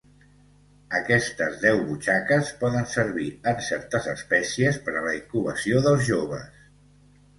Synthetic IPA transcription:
əkɛst̪əzðɛwβut͡ʃakəspɔðənsəɾβiənsɛɾt̪əzəspɛsiəspəɾələikuβəsioðəlˠzʒoβə̰s

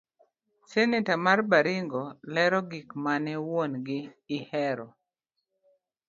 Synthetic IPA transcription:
senetamarbaɾɪŋɡɔlɛɾɔɡikmanɛwonɡɪːhɛɾɔ

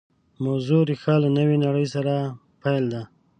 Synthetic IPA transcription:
mawzuɾixɑlanəwinaɽəjsaɾa | pajld̪a

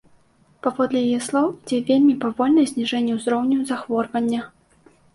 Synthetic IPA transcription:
pavɔd̪lʲɛjajɛslˠɔwid͡zʲɛvʲelʲmʲipavɔlʲnɐjɛzʲnʲiʐɛnʲːɛwzɾɔwnʲuzaxvɔrvɐnʲːɐ

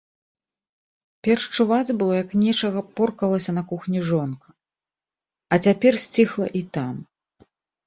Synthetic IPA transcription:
pʲɛrʂt͡ʂuvad͡zʲbɨlˠɔjɐknʲɛt͡ʂɐɣɐpɔrkɐlˠɐsʲɐnɐkuxnʲiʐɔnkɐ̥ | ɐt͡sʲapʲɛrsʲt͡sʲixlˠɐ̰ʔit̪am

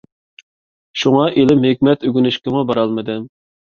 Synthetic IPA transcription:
ʃuŋɑʔelɪmhɪkʲmɛt̪yɡʲynyʃkʲɪmubɑɾɑlˠmɨd̪ɨ

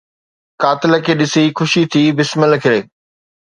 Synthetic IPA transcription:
kaːt̪ɪlə̆kʰeːɗɪsixʊʃit̪ʰiːbɪsməlkʰɪɾeː

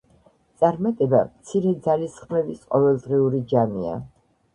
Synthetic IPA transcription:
t̪sʼaɾmat̪ʼɛbamt̪sʰiɾɛd̪zalisχmɛvisqʼɔvɛlˠd̪ʁiuɾid͡ʒamia̰

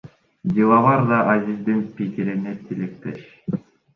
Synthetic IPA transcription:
d̪ilˠɑβɑɾd̪ɑʔɑzʲizd̪inpikiɾinet̪ʰilek̚t̪ḛʃ

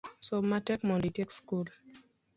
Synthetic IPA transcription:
somatɛkmɔnditɛkskul

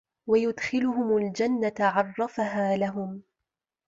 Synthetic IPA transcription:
wajʊd̪xɪlʊhʊmʊld͡ʒanːat̪aʕɑrˤːɑfaɦaːlaɦʊm

